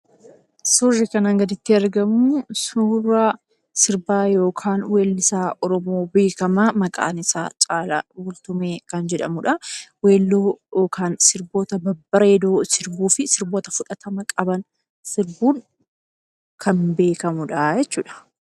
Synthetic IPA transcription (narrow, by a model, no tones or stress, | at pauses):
sʊrːɪkɐnɐŋɡɐd̪ɪt̪ːɪɐɾɡɐmʊsuːra | sɪɾbaːjo̞ːkʰaːnweːlːɪsaːʔɔɾɔmo̞ːbe̞ːkɐmamɐkʼa̰ːnɪsa̰ːt͡ʃʼaːlɐ̰wʊlt̪ʊmeːkɐnd͡ʒɛᶑɐ̰mʊᶑɐweːlːojo̞ːkʰaːnsɪɾboːt̪ɐbɐbːɐɾɐɛd̪oːsɪɾbuːfɪsɪɾboːt̪ɐfʊᶑɐt̪ɐmɐkʼɐbɐn | sɪɾbuːŋ | kʰɐnbe̞ːkɐmʊᶑɐd͡ʒɛt͡ʃːuːᶑɐ̥